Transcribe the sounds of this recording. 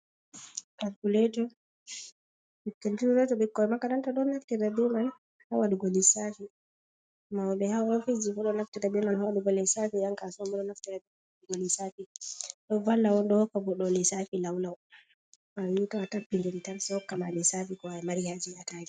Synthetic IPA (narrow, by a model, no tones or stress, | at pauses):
kalkulɛtɔ | ɓikɛntuɾuɾɛtɔɓɛkːɔɛmakaɾantaɗɔnːaftɛɾaduma | hawaɗuɡolisafi | maɔɓɛhaɔfizifɔɗɔnaftɛtadumanhawaɗuɡɔlɛsafijaŋkasɔmɔɗɔnaftɛɾadumaawaɗuɡolisafiɗɔvalːawɔnɗɔkɔbɔɗɔlɛsafilawlaw | mawitɔatabːiŋɡeɾitansɔkːamalɛsafikɔajɛmaɾihad͡ʒiataɾi